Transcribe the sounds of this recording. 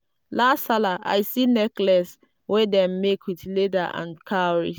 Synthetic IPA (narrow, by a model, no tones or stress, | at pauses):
lasalaʔa̰ɪsinɛklɛs | wedɛmːekwitledaʔã̰nkʰaɹḭ